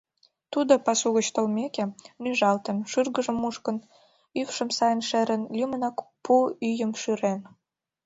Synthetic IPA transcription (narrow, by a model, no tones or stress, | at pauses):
t̪ud̪opɑsuɣə̆t͡ɕt̪əlmekenyʒɑlt̪ənʃyrɣəʒə̆muʃkən | yfʃəmsɑjənʃeɾənlʲymənɑkpuyjəmʃyɾen